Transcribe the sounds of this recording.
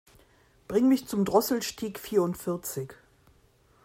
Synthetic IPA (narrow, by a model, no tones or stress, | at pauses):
b̥ʁɪŋmɪçt͡sʊmdʁɔsl̩ʃtʰiːkfiːɐʊntfɪɐt͡sɪç